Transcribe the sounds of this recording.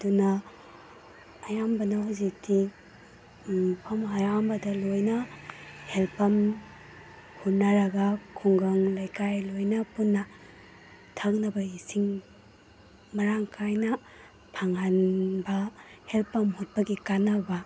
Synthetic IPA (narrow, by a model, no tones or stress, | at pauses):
ɐdunɐ | jambɐnahazik̚tʰi | mupʰɐmɦajambɐdɐlojnɐhelpʰɐm | hut̚naɾɐɡakʰuŋɡɐŋlajkajlojnɐpunːɐ | tʰaknɐbɐisiŋ | mɐɾaŋkʰajnɐ | pʰaŋanbɐhelpɐmhut̚pɐɡikanɐbɐ